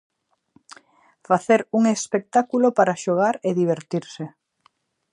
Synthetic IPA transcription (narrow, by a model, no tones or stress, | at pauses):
faθeɾuŋespek̚t̪akulopaɾaʃoɣ̞aɾeðiβ̞eɾt̪iɾse